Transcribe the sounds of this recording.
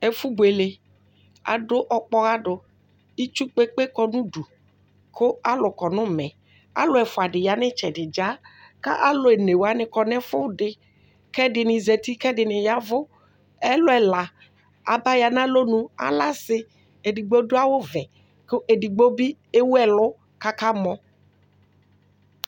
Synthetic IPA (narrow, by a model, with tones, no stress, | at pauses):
e˨fu˦be˨le˨ | a̰˨dʊ˦ʔɔ˦k͡pɔ˦ɣa˦ɖʊ˨ | i˦t͡ʃu˦k͡pe˦k͡pe˦kɔ˦nũ˦du˨ | ko˦a˦lʊ˨kɔ˨nʊ̃˦mɛ̃˨ | a̰˦lʊ˦ɛ˨fʊ˨a˨dɪ˨ja˨nɪ̃˦t͡ʃɛ˨dɪ˨d͡ʒa˦ka̰˦ʔa˦lʊ˨e˨ne˨wa˨˦nɪ̃˦kɔ˨nɛ̃˦fʊ˦˨ɖɪ˨ | kɛ˦dɪ˨nɪ̃˨zɛ˨t̪i˦kɛ˦dɪ˨nɪ̃˨ja˨˦vʊ˦ | ɛ˦lʊ˦ɛ˨la˨ | a˨ba˦ja˨nã˦lo˦nũ˦a̰˨la˦sɪ˦ | e˨di˨ɡ͡bo˦dʊ˦a˦wo˦vɛ˨ | kʊ˦ʔe˨di˨ɡ͡bo˦bi˦ | e˦wu˦ɛ˨lʊ˦ | ka˦ka˦mɔ̃˨˦